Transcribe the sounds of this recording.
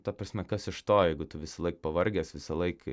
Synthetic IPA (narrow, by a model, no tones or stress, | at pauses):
t̪ɐpɾɐsʲmʲɛkɐsɪʃt̪oːjɛɪɡʊt̪ʊʋʲɪsɐlˠɐɪk̚pɐʋɐɾʲɡʲeːsʋʲɪsɐlˠɐɪk